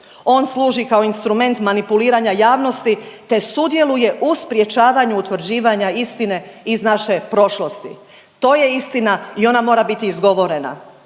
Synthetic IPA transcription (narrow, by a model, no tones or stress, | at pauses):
o̞ːnslˠuːʒikao̞inst̪ɾume̞nt̪manipuliːɾaɲajaːʋno̞st̪it̪e̞sud̪je̞luje̞ʔuspɾje̞t͡ʃaːʋaɲuːt̪ʋɾ̩d͡ʑiːʋaɲaist̪ine̞iznaʃe̞pɾo̞ʃlo̞st̪ḭ | t̪o̞ːje̞ist̪inaio̞namo̞ːɾabit̪iːzɡo̞ʋo̞ɾe̞na̰